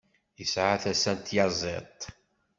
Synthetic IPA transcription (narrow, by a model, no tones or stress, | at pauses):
jəsʕaθæsænt̪jɑzˤḛt̪ˤ